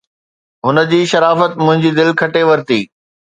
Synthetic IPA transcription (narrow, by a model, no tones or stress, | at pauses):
ɦʊnə̆d͡ʑiːʃɐɾaːfət̪mʊ̃ɦɪ̃ɲd͡ʑiːd̪ɪlkʰɐʈeʋɐɾt̪iː